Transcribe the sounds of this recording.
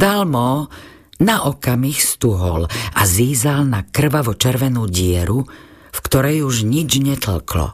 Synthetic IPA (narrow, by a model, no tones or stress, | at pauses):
d̪almɔː | naʔɔkamixst̪uɦɔ̰laziːzalnakr̩ʋaʋɔt͡ʃɛɾʋɛnuːɟɪɛɾu | fkt̪ɔɾɛjuʒɲid͡ʒɲɛt̪l̩klɔ̰